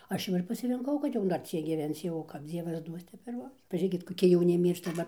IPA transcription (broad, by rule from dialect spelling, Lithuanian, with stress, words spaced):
ˈɐʃ jɛʊ ɪr pɐsʲɪrʲɪŋˈkɐʊ kɐt ˈjɛʊ dɐr ˈt͡sʲiɛk ɡʲiːˈʋʲɛnt͡s jɛʊ kɐp ˈd͡zʲiɛʋɐs ˈduɔs ˈtʲɛp ɪr ˈbʊs pɐˈʒʲeːkʲɪt koːˈkʲɪ jɛʊˈnʲɪ ˈmʲiːrʃtɐ ʋɐ